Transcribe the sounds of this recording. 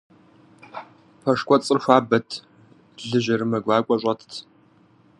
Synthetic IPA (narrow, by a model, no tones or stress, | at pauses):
pʰɐʂkʷʼɔt͡sʼɨrxʷaːbɐtʰ | ɮɨʑɐɾɨmɐɡʷaːkʷʼɔɕʼɐtʰtʰ